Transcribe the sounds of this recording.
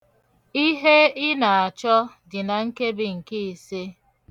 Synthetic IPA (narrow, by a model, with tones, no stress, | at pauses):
i˦ɦe˦ɪ˦na˨a˨t͡ʃɔ˦ | dɪ˨na˨ŋ̩˦ke˦bɪ˨ŋ̩˨ke˦i˨se˦